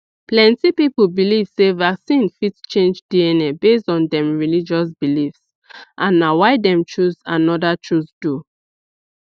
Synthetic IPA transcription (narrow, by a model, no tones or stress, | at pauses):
plɛ̃ntipipubiliv̥sevaksĩnfitst͡ʃẽnd͡ʒdiɛnɛbestɔ̃ndɛ̃mɹilid͡ʒɔs̬bilifs | ʔãnːawaɪdɛ̃mt͡ʃuzãnɔdat͡ʃusdu